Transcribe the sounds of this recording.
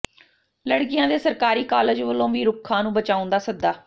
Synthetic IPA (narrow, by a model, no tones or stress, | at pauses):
ləɽkɪjãːd̪eːsəɾkaːɾiːkaːləd͡ʒʋəlːõːʋiːɾʊkʰːãːnũːbət͡ʃaːʊ̃nd̪aːsəɡ̚d̪aː